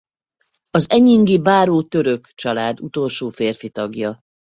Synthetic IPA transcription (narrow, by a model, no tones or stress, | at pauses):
ɒzɛɲiŋɡibaːɾoːt̪øɾø̞kt͡ʃɒlaːd̪ut̪o̞lʃoːfeːrfit̪ɒɡjɒ